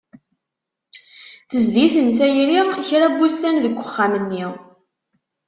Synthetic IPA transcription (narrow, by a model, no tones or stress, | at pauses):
θəzd̪iθənθæjɾiʁçɾæbːusːænðəɡʷːəχːamənːi